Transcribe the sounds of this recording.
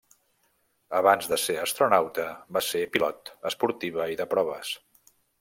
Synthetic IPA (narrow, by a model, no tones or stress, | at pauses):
əβanzðəseəst̪ɾunawt̪əbasepilɔt̪əspuɾt̪iβəiðəpɾɔβ̞əs